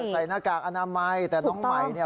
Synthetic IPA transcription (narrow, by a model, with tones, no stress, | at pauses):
sa˨˩jnaː˧˥˩kaː˨˩k̚ʔa˧naː˧ma˧jt̪ɛː˨˩nɔː˨˦˥ŋma˧˨˩jni˥˩